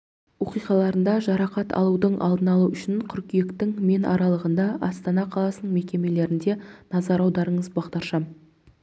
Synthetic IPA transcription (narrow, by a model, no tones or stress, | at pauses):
wo̞qijqɑlˠɑɾənd̪ɑʒɑɾɑqɑt̪ɑ̰lˠud̪əɴʔɑ̰lˠd̪ənɑlˠuʏʃɪɴqʲʰʏɾkʲije̞kt̪ɪŋme̞nɑɾɑlˠəʁənd̪ɑʔɑst̪ɑnɑqʰɑlˠɑsənəɴme̞kʲe̞me̞le̞ɾɪnd̪e̞nɑzɑɾɑwd̪ɑɾəɴəzbɑʁd̪ɑɾʃɑm